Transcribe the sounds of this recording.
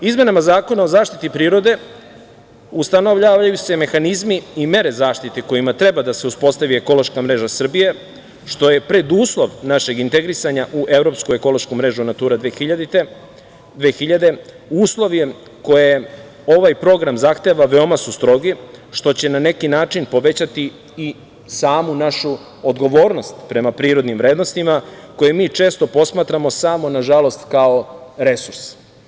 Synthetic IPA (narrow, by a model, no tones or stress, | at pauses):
izme̞namazaːko̞nao̞zaːʃt̪it̪ipɾiːɾo̞d̪e̞ | ust̪ano̞ʋʎaʋaajuse̞me̞xanizmiime̞ɾe̞zaːʃt̪it̪eko̞jimat̪ɾe̞bad̪ase̞uspo̞st̪aʋieko̞lo̞ʃkamɾe̞ʒasr̩bije̞ | ʃt̪o̞je̞pɾe̞d̪uːslˠo̞ʋnaʃe̞ɡint̪e̞ɡɾisaɲaʔuʔe̞vɾo̞pskue̞ko̞lo̞ʃkumɾe̞ʒunat̪uːɾad̪eid̪ | d̪ʋexiʎad̪e̞ | uːslˠo̞ʋie | ko̞je | o̞ʋajpɾo̞ɡɾamzaxt̪e̞ʋaʋe̞omasust̪ɾo̞ɡiʃt̪o̞t͡ɕe̞nane̞kinaːt͡ʃinpo̞ʋe̞t͡ɕat̪iː | saːmunaʃu | od̪ɡo̞ʋo̞ːɾno̞st̪pɾe̞mapɾiːɾo̞d̪nimʋɾe̞ːd̪no̞st̪imako̞jemiːt͡ʂe̞ːst̪o̞po̞smaːt̪ɾamo̞samo̞naʒalˠo̞st̪kao̞ɾe̞suɾs